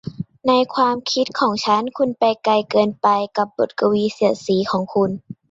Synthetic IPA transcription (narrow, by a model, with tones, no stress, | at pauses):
na˧jkʰwaː˧mkʰi˧˦˥t̪̚kʰɔː˩˦ŋt͡ɕʰa˦˥nkʰu˧npa˧jka˧jkɤː˧npa˧jka˧˦p̚bo˨˩t̪̚ka˧wiː˧˦si˨˩ɐsiː˨˩˦kʰɔː˩˦ŋkʰu˧n